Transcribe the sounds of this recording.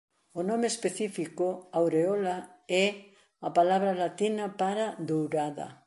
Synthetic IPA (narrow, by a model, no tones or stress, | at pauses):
ʊnomeːspeθifikoawɾeɔlaɛ | apalaβɾalat̪inapaɾad̪owɾaðɐ̰